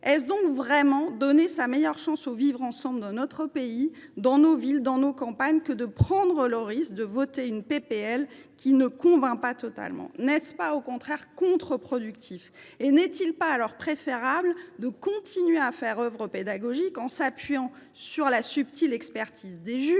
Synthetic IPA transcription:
ɛs̬d̪ɔ̃kvʁɛmɑ̃d̪ɔnesamɛjœʁʃɑ̃sovivʁɑ̃sɑ̃bld̪ɑ̃nɔt̪χəpeid̪ɑ̃novild̪ɑ̃nokɑ̃paɲkəd̪əpχɑ̃d̪ʁəlɔʁisd̪əvɔt̪eynpepeɛlkʲinəkɔ̃vɛ̃pat̪ɔt̪a̰lmɑ̰̃nɛspaokɔ̃t̪χɛʁkɔ̃t̪χəpχɔd̪ykt̪ʰif | enɛt̪ilpaːlɔʁpχefeʁabld̪əkɔ̃t̪ʰinɥeafɛʁœvʁəped̪aɡɔʒikɑ̃sapɥijɑ̃ | syʁlasypt̪ʰilɛkspɛʁt̪ʰizd̪eʒy

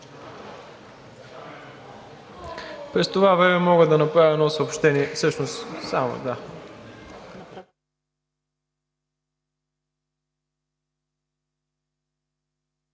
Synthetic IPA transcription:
pɾɛst̪ovavɾɛmɛmɔɡəd̪ɐnɐpɾavʲɛnɔsɐopʃt̪ɛniɛfsɤʃnossamo̰d̪a

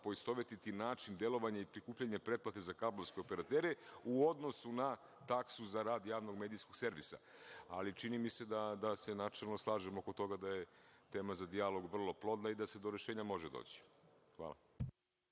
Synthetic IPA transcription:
po̞ist̪o̞ʋet̪it̪inaːt͡ʃind̪e̞lˠo̞ʋaɲaipɾikuːpʎaɲepɾe̞t̪̚plˠat̪ezakabloske̞o̞peɾat̪eːɾeuod̪no̞suna | t̪aksuzaɾaːd̪jaːʋno̞ɡme̞ːd̪ijsko̞ɡ̥se̞ɾʋisa̰a̰lit͡ʃinimise̞d̪ad̪ase̞nat͡ʃelˠno̞slˠaːʒemo̞ko̞t̪o̞ɡad̪aje̞t̪e̞ːmazad̪ialˠo̞ɡʋr̩lˠo̞plˠo̞d̪naid̪ase̞d̪o̞ɾe̞ʃeːɲamo̞ʒed̪o̰ːt͡ɕi̥ | xʋa̰ːla̰

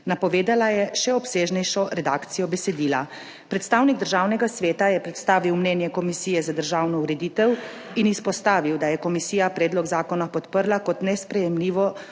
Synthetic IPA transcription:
napɔʋeːd̪alajɛʃɛɔpseːʒnɛjʃɔɾɛd̪aːkt̪sijɔbɛsɛd̪iːla | pɾɛt̪st̪aːwniɡ̚d̪əɾʒaːwnɛɡasʋeːt̪ajɛpɾɛt̪st̪aːʋiwmnɛːnjɛkɔmisiːjɛzad̪əɾʒaːwnɔuɾɛd̪iːt̪ɛw | inispɔst̪aːʋiwd̪ajɛkɔmisiːjapɾɛːd̪lɔɡzaːkɔnapɔt̪pəɾlakɔt̪nɛspɾɛjɛmliːʋɔ

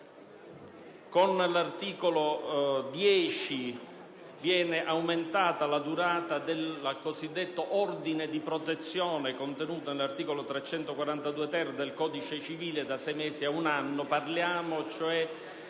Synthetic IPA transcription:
konlart̪iːkolod̪jɛːt͡ʃi | vjɛːneʔawment̪aːt̪alad̪uɾaːt̪ad̪elkozid̪ːet̪ːoʔɔrd̪ined̪ipɾot̪et̪sːjɔːnekont̪enuːt̪onelart̪iːkolot̪ɾɛt͡ʃːɛnt̪okwaɾant̪ad̪uːet̪ɛrd̪elkɔːd̪it͡ʃet͡ʃiviːled̪asɛjmɛːsiaunanːoparljaːmot͡ʃoɛ

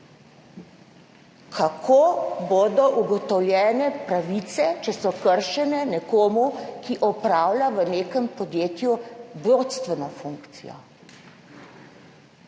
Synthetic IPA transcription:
kʰakʰoːboːd̪ɔʔuɡɔt̪ɔwljɛːnɛpɾaʋit̪sɛt͡ʃɛsɔkəɾʃɛnɛnɛkoːmukiʔɔpɾaːwlʲaʋəneːkəmpɔd̪jeːt̪jubɾot̪st̪ʋɛnɔfuŋkt̪sḭjɔ̰

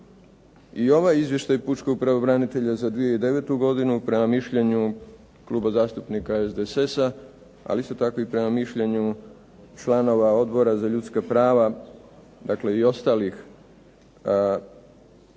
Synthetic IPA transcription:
io̞ʋajizʋjeʃt̪ajput͡ʃko̞ɡ̚pɾaʋobɾanit̪e̞ʎazad̪ʋijeid̪e̞ʋe̞ːt̪uɡo̞d̪inupɾe̞mamiʃʎeɲu | kluːbazaːst̪upnikaezd̪esesa | a̰list̪o̞t̪ako̞ipɾe̞mamiʃʎeɲu | t͡ʃlano̞ʋao̞d̪bo̞ɾazaʎut̪skapɾaːʋa | d̪akle̞io̞st̪alix

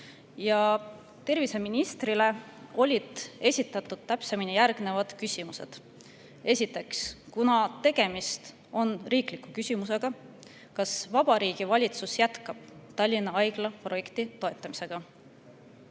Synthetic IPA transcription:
jɑ | t̪e̞rvise̞minist̪rile̞ | o̞lʲid̪̥e̞sʲit̪ːˑɑt̪ːˑud̪̥̚t̪ːæpse̞minijærɡ̥ne̞vɑd̪̥kysʲimuse̞̰d̪̥ | e̞sʲit̪ːˑe̞kskunɑt̪e̞ɡ̥e̞mist̪ | o̞nriːklikːˑukysʲimuse̞ɡ̥ɑ | kɑsvɑb̥ɑɾiːɡ̥ivɑlʲit̪susjæt̪kɑb̥t̪ɑlʲːinːɑɑjɡ̥lɑpro̞je̞kt̪it̪o̞et̪ːˑɑmise̞ɡ̥ɑ

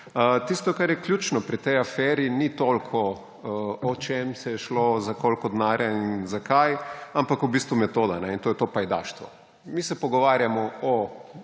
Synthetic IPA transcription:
ət̪ist̪ɔkaɾjɛklʲjuːt͡ʃnɔpɾit̪ɛjafɛɾinit̪olkʰɔ | ɔt͡ʃemsɛjɛʃlozakolkɔd̪naːɾjainzakajampakubist̪ʋumɛt̪oːd̪anɛint̪oːjɛt̪opajd̪a̰ʃt̪ʋɔ̰ | misɛpɔɡɔʋaɾjamɔɔ

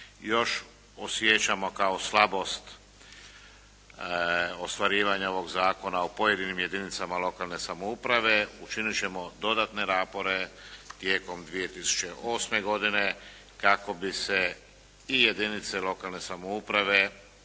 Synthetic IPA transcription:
jo̞ʃ | osjet͡ɕamo̞kaoslˠabo̞st̪ | ost̪ʋaɾiːʋaɲao̞ʋo̞ɡzaːko̞naopo̞jed̪inimje̞d̪init̪samalo̞kalˠne̞samoupɾaʋe̞ut͡ʃinit͡ɕe̞mo̞d̪o̞d̪at̪ne̞ɾaːpo̞ɾe̞t̪jeːko̞md̪ʋije̞t̪isu̥t͡ʃe̞ʔo̞ːsme̞ɡo̞d̪ine̞ | kako̞bise | ije̞d̪init̪selˠo̞kalne̞samoupɾaʋe̞

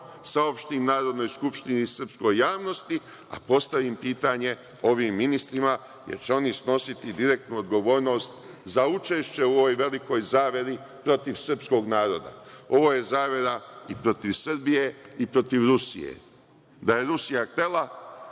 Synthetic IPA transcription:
saopʃt̪imnaːɾod̪no̞ːjskupʃt̪inisər̩psko̞jːaːʋno̞st̪i | a̰po̞st̪aʋimpiːt̪aɲe̞ | o̞ʋiːmːinist̪ɾima | jḛɾt͡ɕeo̞nisno̞sit̪id̪iɾe̞k̚t̪nuod̪ɡo̞ʋo̞ːɾno̞ːst̪ | zaut͡ʃe̞ːʃt͡ɕe̞uoʋojʋe̞liko̞jzaːʋje̞ɾi | pɾo̞t̪iʋsr̩psko̞ːɡnaːɾo̞d̪a̰o̞ʋo̞ːje̞zaːʋje̞ɾaipɾo̞t̪iʋsr̩bije̞ipɾo̞t̪iʋɾusḭjḛ | d̪aje̞ɾusijaxt̪e̞lˠa

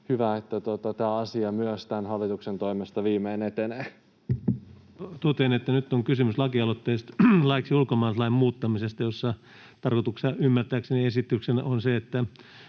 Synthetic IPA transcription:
hyʋæet̪ːæt̪ot̪ɑt̪æːɑsiɑmyøst̪ænhɑlːit̪uksent̪oimest̪ɑʋiːmeːnet̪eneː | t̪ot̪enet̪ːænyt̪ːoŋkysymyslɑkiɑlot̪ːeist̪lɑiksiulkomɑːlslɑimmuːt̪ːɑmisest̪ɑjosːɑ | t̪ɑrkot̪uksɑymːært̪æːkseniesit̪ːˑyksenonseet̪ːæ

